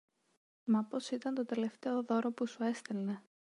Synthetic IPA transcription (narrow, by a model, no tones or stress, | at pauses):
mɐpo̞sit̪ɐnt̪o̞t̪e̞le̞ft̪e̞o̞ðo̞ɾo̞pusue̞st̪e̞lne̞